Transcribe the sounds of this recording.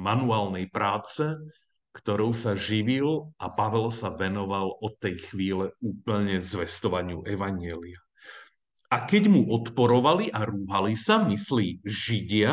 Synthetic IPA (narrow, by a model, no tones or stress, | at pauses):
manuaːlnɛjpɾaːt͡sɛ | kt̪ɔɾɔʊsaʒiʋilapaʋɛlsaʋɛnɔʋalɔt̪ːɛjxʋiːlɛuːpl̩ɲɛzʋɛst̪ɔʋaɲɪuʔɛʋaɲɪɛlia | akɛɟmuʔɔt̪pɔɾɔʋaliʔaɾuːɦalisamisliːʒiɟɪa